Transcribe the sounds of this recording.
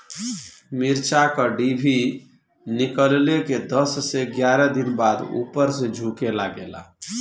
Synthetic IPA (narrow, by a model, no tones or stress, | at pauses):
miɾt͡ʃakəɖibʱi | nikəlleked̪əsːeɡjaɾɛd̪inbad̪ṵpəɾsẽd͡ʒʱukelaɡela̰